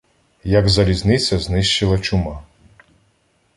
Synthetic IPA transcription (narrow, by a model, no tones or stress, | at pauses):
jɐɡzɐlʲiznɪt͡sʲɐznɪʃt͡ʃɪlˠɐt͡ʃʊmɑ